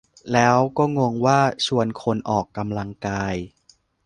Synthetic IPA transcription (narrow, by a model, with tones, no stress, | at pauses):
lɛː˦˥wkɔː˥˩ŋo˧əŋwaː˥˩t͡ɕʰu˧ənkʰo˧nʔɔː˨˩kːa˧mla˧ŋkaː˧j